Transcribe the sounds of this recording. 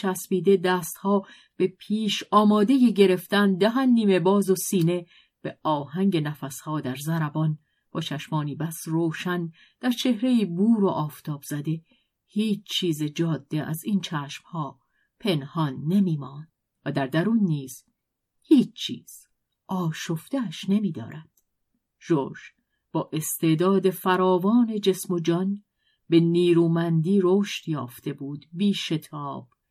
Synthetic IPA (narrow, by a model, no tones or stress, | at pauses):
t͡ʃʰæsbiːd̪e̞d̪æːst̪hɒː | b̥epʰiːʃɒːmɒːd̪e̞jeɟe̞ɾe̞ft̪ænd̪æɦænːiːme̞bɒːzosiːne̞ | b̥eɒːhæŋɟe̞næfæshɒːd̪æɾzæɾæbɒn | b̥ɒːt͡ʃʰæʃmɒːniːbæsroːʃæn | d̪̥æɾt͡ʃʰe̞hɾeiːbuːɾoʔɒːft̪ʰɒːb̥z̥æd̪e̞ | hiːt͡ʃt͡ʃʰːiːzed͡ʒɒːd̪̥ːe̞ʔæ̰ziːnt͡ʃʰæːʃmhɒː | pʰe̞nhɒnːe̞miːmɒːn | væd̪æɾd̪æɾuːnːiːz̥ | hiːt͡ʃʰt͡ʃʰḭːz̥ | ʔɒːʃoft̪eæʃne̞miːd̪ɒ̰ːɾæd̪̥ | ʒ̥o̰ːʒ | b̥ɒːʔe̞st̪e̞ːd̪ɒːd̪e̞fæɾɒːvɒːne̞d͡ʒe̞smo̞d͡ʒɒn | be̞niːɾuːmænd̪iːɾoːʃt̪jɒ̰ːft̪e̞buːd̪biːʃe̞t̪ʰɒːb̥